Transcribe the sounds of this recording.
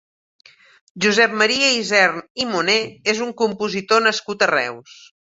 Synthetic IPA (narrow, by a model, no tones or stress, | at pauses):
ʒuzɛp̚məɾiəizɛɾnimuneezuŋkumpuzit̪onəskut̪ərɛ̰ws